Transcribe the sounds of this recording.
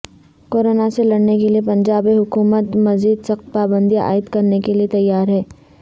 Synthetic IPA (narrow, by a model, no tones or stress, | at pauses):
koːɾoːnaselɐɽnekeliepɐ̃ɲd͡ʒaːbeɦʊkuːmət̪mɐziːd̪sɐxt̪̚paːbə̃nd̪ia̰ːɪd̪kɐɾnekeliet̪ɐjːaːɾɦɛː